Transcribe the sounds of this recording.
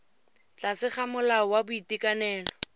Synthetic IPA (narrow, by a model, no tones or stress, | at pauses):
t͡ɬasɪχamʊlaɔwabʊitikʼanɛːlɔ